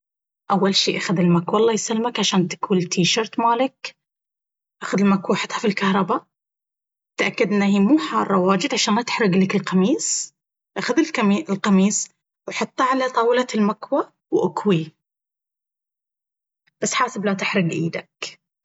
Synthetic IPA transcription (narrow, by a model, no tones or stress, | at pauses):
ʔawːalʃiːʔaxad̪ɪlmakwalˤːɑːjsalmakʕaʃaːnt̪ḁkuːlt̪ʰiːʃɑɾt̪maːlɪk | ʔaxʊðɪlmakwaħɪt̪ˤhafilkahɾˤɑba | t̪ʔakːad̪ʔɪnːahiːmuːħɑːrˤːɑwaːd͡ʒɪd̪ʕaʃaːnat̪ɪ̥ħɾˤɪɡlɪkɪlqɑmiːs | ʔaxad̪ɪliːlqɑmiːs | wɪħɑt̪ˤːɑʕalat̪ˤɑːwɪlalmakwa | wʔʊkwi | b̥asːħaːsɪblat̪ɪħɾˤɪɡʔḭːd̪ak